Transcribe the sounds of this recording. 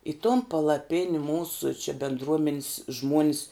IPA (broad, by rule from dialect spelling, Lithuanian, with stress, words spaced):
ɪ toːn pɐlˠɐˈpʲɪnʲɪ ˈmuːsʊ t͡ʃʲɪ bʲɪndˈruɔmʲɛnʲɪs ˈʒmuɔnʲɪs